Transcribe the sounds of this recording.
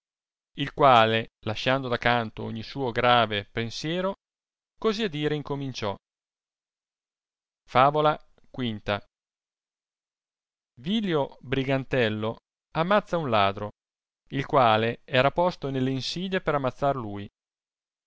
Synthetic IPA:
ilkwaːlelaʃand̪od̪akːant̪oo̰ɲːisuːoɡɾaːvepensjɛːɾo | koziad̪iːɾeiŋkomint͡ʃɔ | faːvola | kwint̪a | viljobɾiɡant̪ɛlːo | amːat̪sːaunlaːd̪ɾo | ilkwaːleɛːɾapɔst̪onelːeinsiːd̪epeɾamːat̪sːarluːj

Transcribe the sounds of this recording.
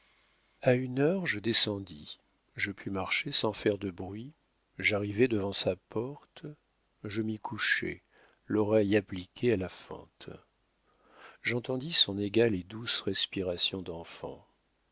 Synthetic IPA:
aynœʁʒəd̪esɑ̃d̪i | ʒəpʰymaʁʃesɑ̃fɛʁd̪əbʁɥi | ʒaʁivɛd̪əvɑ̃sapɔʁt̪ | ʒəmikʰuʃɛ̰ | lɔʁɛjaplikʲʰealafɑ̰̃t̪ | ʒɑ̃t̪ɑ̃d̪isɔ̃neɡʲaled̪usʁɛspiʁasjɔ̃d̪ɑ̃fɑ̰̃

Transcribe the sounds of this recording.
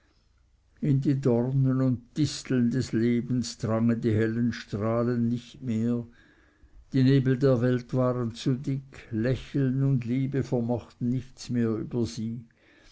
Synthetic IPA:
ɪndiːdɔrnənʊnt̚d̥ɪstl̩ndɛsleːbn̩sd̥ʁaŋəndiːɦɛlənʃtʁ̥aːlənːɪçtmeːɐ | d̥iːneːbl̩deːɐvɛltv̥aːʁənt͡sudɪkʰlɛçl̩nʊndliːbəfɛɐmɔχtn̩nɪçt͡smeːɐy̰ːbɐziː

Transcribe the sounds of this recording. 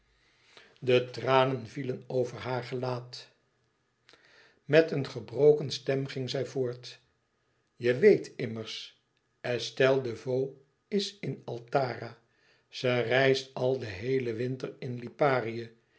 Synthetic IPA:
dətraːnənvilənowvəɹɦaːɹχəlaːt | mɛtənχəbrowkənstɛmχɪŋzɛjvʊːɹt | jəʋejtʰɪməɹs | ɛstɛlˠdəvow | ɪsɪnɑlˠtaːraː | z̥ərɛjstɑlˠdəɦejləʋɪntərɪnlipaːrijə

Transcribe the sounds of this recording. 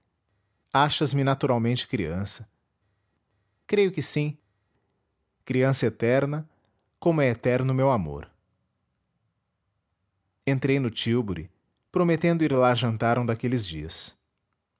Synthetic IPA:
aʃɐzmɪnat̪uɾawmẽnt͡ʃɪ̥kɾiɐ̃sɐ̥ | kɾejʊkɪsĩ | kɾiɐ̃sɐet̪ɛɾnɐ | kõmʊɛet̪ɛɾnʊmewamo̰ɾ | ẽnt̪ɾejnʊt͡ʃiwbʊɾɪ̰ | pɾomet̪ẽnd̪ʊiɾlaʒɐ̃nt̪aɾɐ̃w̃d̪akelɪzd͡ʒiɐs

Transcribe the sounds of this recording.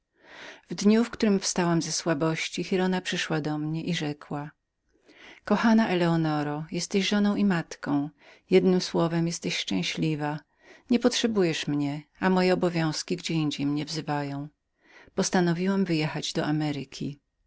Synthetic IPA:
vd̪ɲufkt̪uɾɘmfst̪awamzɛswabɔɕt͡ɕixiɾɔnapʂɘʂwad̪ɔmɲɛʔiʐɛkwa | kɔxanaʔɛlɛɔnɔɾɔjɛst̪ɛɕʐɔnɔ̃w̃imat̪kɔ̃w̃jɛd̪nɘmswɔvɛmjɛst̪ɛɕʂt͡ʂɛ̃ɕlʲiva | ɲɛpɔtʂɛbujɛʂmɲɛamɔjɛɔbɔvʲjɔ̃w̃skʲiɡd͡ʑɛiɲd͡ʑejmɲɛvzɘvajɔ̃w̃ | pɔst̪anɔvʲiwamvɘjɛxad͡ʑd̪ɔʔamɛɾɨkʲʰi

